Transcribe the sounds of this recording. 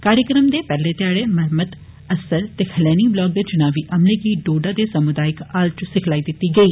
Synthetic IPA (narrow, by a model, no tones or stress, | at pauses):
kaːɾjəkɾəmd̪eːpɛːleːt̪ɪjaːɽeːməɾməd̪ | əsəɾt̪eːkʰəlɛːniːblɔːk̚d̪eːt͡ʃʊnaːʋiːʔəmleɡiːɖoːɖaːd̪eːsəmʊd̪aːɪkaːlt͡ʃsɪkʰlaːiːd̪ɪt̪ːiːɡəiː